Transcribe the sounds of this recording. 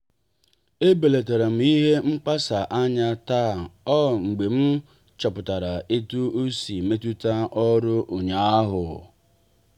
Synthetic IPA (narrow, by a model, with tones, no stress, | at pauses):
e˦be˨le˨te˨ɾe˨m̩˨˦i˦ɦe˦ŋ͡m̩˦k͡pa˦sa˨ʔa˦ɲa˦taː˦˨ɔ˦˨ŋ͡m̩˨ɡ͡be˨m̩˦ | t͡ʃɔ˨pʊ˨ta˨ɾa˨ʔe˦tu˦o˦si˨me˦tu˦ta˦ʔɔ˦ɾʊ˦ʔo˨ɲa˨a˦ɦʊ˨